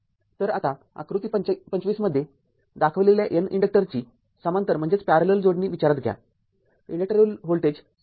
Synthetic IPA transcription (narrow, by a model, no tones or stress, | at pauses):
t̪əɾa̰t̪a | a̰kɾut̪ipəɲt͡ɕʋiːsməd̪ʱːje | d̪akʰəʋleljaʔenḭɳɖək̚ʈəɾt͡ɕiː | səmãnt̪əɾm̤əɳd͡zet͡spaɾələld͡zoɽniːʋit͡ɕaɾət̪ɡʱja̰ | iɳɖək̚ʈəɾulɦolʈed͡ʑ